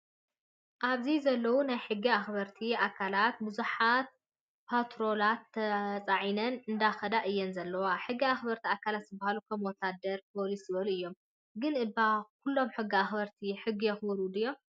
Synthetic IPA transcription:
ʔaβzizɐlːɐwunajħɨɡːiaxbɐɾt̪ʰiakʰːalat̪̚bɨzuħat̪̚ | pʰat̪ɾo̞lat̪ʰːɐt͡sʼaʕinɐnɨnd̪axɐd̪aʔɨjːɛnzɐlːɐwaħɨɡːiaxbɐɾt̪ʰiakʰalat̪zɨbahalukʰɐmwɔt̪ʰːad̪ɐɾpʰo̞lisɨbɐluʔɨjːo̞m | ɡɨnʔɨbakʰulːo̞mħɨɡːiaxbɐɾt̪ʰiħɨɡːijɛxbɐɾud̪ɨjːom

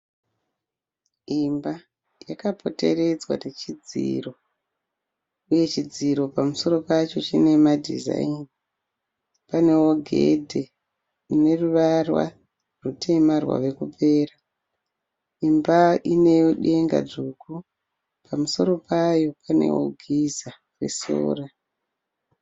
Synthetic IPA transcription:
imba | jakapʰo̞te̞̰re̞d͡zwa̰tet͡ʃid͡zḭro̞ | uje̞t͡ʃid͡ziɾo̞pamuso̞ɾo̞pat͡ʃo̞t͡ʃine̞madʱḭza̰ini | pane̞oɡʱḛdʱe̞ | ine̞ruʋarwa̰ | rutʰe̞marwa̰ʋe̞kupe̞ːra | imbaʔine̞joɗe̞ŋɡa̰ʐuku | pamuso̞ɾo̞pajo̞pʰane̞̰wo̰ɡʱiza | rwḛso̰ːra

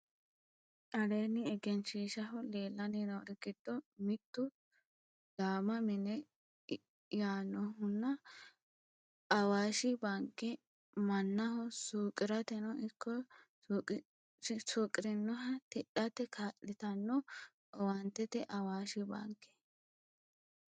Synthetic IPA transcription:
ʔɐleːnɪɛɡɛnʃiːʃɐɦɔle̞ːlːɐnɪnɔɾɡɪd̪̥ːɔmɪt̪ːʊ | d̪̥aːmɐmɪnɛ | jaːnːɔɦʊnːɐ | ʔɐwaːʃɪbaŋkːɛ | mɐnːɐɦɔsuːkʼɪɾɐt̪ɛnɔʔɪkːɔ | suːkʼɪɾɪnːɔɦɐt̪ɛɗɐt̪ɛkʰaːʔːɪt̪ɐnːɔ | ɔwɐnt̪ːɛt̪ɛʔɐwaːʃɪba̰ŋkːɛ̥

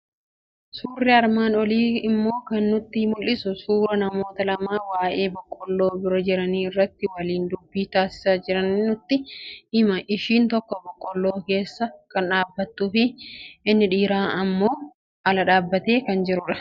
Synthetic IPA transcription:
suːrːɪɐɾmaːnɔliːɪmːo̞ːkɐnːʊt̪ːɪhmʊlːɪsʊsuːɾɐnɐmo̞ːt̪ɐlɐmaːfwaːʔeːbɔkʼːɔlːo̞ːbɪɾɔd͡ʒɪɾɐniːɪrːɐt̪ːɪwɐliːnd̪ʊbːiːt̪aːsɪ̥saːd͡ʒɪɾɐnːʊt̪ːɪɪmɐʔɪʃiːnt̪ɔkːɔbɔkʼːɔlːoːke̞ːsːɐkɐnᶑaːbːɐt̪ːuːfɪɪnːɪᶑiːɾaːɐmːo̞ː | ɐlɐᶑaːbːɐt̪e̞ːkɐnd͡ʒɪɾʊᶑɐ̥

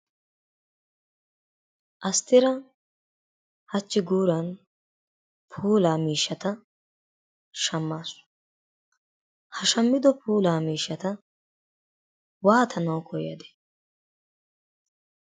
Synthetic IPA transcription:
ʔɐst̪ɪɾɐ | hɐt͡ʃːɪɡuːɾɐn | pʰuːlaːmiːʃːɐt̪ɐ | ʃɐmːaːs | hɐʃɐmːɪd̪ɔpuːlaːmiːʃːɐt̪ɐ | waːt̪ʰɐnɐwkʰɔjɐ̰d̪ɛ̥

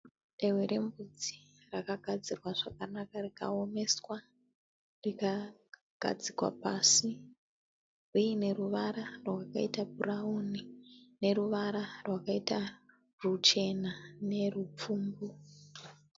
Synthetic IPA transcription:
erweɾʔe̞mbud͡zi | rakaɡʱad͡zirwaʐakanakarika̰o̞me̞swa | rika | ɡ̥ʱa̰d͡zikwa̰pasi | ujine̞ruʋaɾarwwakaitaburaunine̞ɾuʋaɾarwakaita | rut͡ʃe̞nane̞rup͡fuːmbu

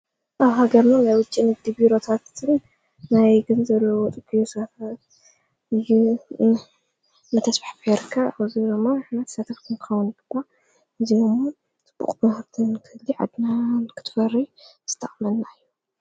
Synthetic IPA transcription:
ʔawɦaɡɐɾnanajwʊt͡ʃʼːinɨɡ̚d̪ibiɾo̞t̪ʰat̪ɨn | najɡɨnzɐlːɐwot̪ʼɨɡʼijosaf | ɨjːu | nɐt̪ʰɐsfaħpeɾkʰːaaβziɾɨmːaħnɐt̪ʰsɐt̪ʰɐft̪ʰɨnkʰɨ̥xɐwʊnbɨkʷʼːa | ʔɨziɨmo | t͡sʼɨb̥ːṵχʼbɨhɾt̪ʰɨnkʰɨhɨlːiʕa̰d̪nankʰɨ̥t̪ʰfɐrːiz̥ɨ̥t̪ʰːɐχʼmɐnnaɨjːu

